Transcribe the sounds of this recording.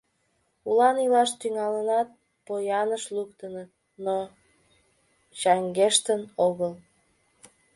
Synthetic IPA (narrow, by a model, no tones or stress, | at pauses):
ulɑnilɑʃt̪yŋɑlənɑt̪̚ | pojɑnəʃlukt̪ənət̪ | no | t͡ɕɑŋɡeʃt̪ənoɣəl